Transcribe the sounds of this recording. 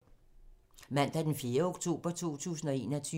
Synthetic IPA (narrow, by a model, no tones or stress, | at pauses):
mæn̰d̥ɑæɐd̥enfje̝ːɐoɡ̥t͡sʰo̝̰ːb̥ɐt͡sʰo̝̰ːt͡sʰṵːsn̩ɒ̽e̝̰ːnɒt͡sʰyː